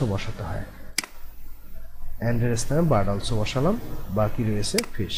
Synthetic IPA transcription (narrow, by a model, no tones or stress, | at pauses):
obɔʃat̪eɦɔe | ɛɳɖeɾest̪ʰanebaɖalt͡ɕʰobɔʃalambakiɾojet͡ɕʰefeʃ